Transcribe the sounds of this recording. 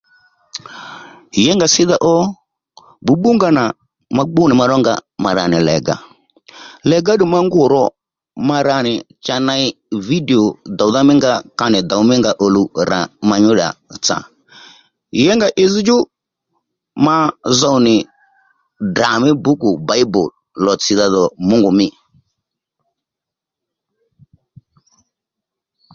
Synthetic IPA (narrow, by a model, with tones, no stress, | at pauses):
jɛ˦ŋɡa˨sɪ˦ða˦ʔɔ˦ | bu˨ɓu˦ŋɡa˦na˨ | ma˨ɡ͡bʊ˦nɪ˨ma˧ɾɔ˦ŋɡa̰˨ma˨ɾa̰˨nɪ˨lɛ̰˨ɡa̰˨ | lɛ˨ɡa˦ɗʊ˨ma˦ŋɡʊ˨ɾɔ˦ | ma˧ɾa˨nɪ˨ | t͡ʃa˨na˧i˦ | vi˦dɛ˨ɔ˨d̪a˨u˦ða˦mɪ˦ŋɡa˦ka˧nɪ˨d̪a˨u˨˦mɪ˦ŋɡa˨ʔo˨lu˨ɾa̰˨ma˨ɲʊ˦ɗa̰˨t͡sa̰˨ | jɛ˦ŋɡa˨ʔɪ˦zi˦d͡ʒʊ˦ | ma˦za˦u˨nɪ˨ | da˨mɛ˦bu˦ku˨ba˨˦i˦bɔ̰˨l | lɔ˨t͡si˨ða˦ðɔ˨mʊ˦ŋɡu˨mɪ˦